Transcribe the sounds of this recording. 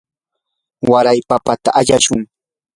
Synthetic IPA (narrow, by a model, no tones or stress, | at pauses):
waɾajpapat̪a̰ʔaʎaʃʊŋ